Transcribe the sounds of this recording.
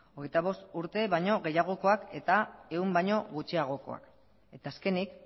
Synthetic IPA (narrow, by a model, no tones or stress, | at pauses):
oɣ̞e̞jt̪aβ̞o̞st̪uɾt̪e̞βajɲo̞ɣe̞jaɣ̞o̞ko̞ake̞t̪ae̞umbajɲo̞ɣut͡ʃiaɣ̞o̞ko̞̰a̰k | e̞t̪aːske̞nik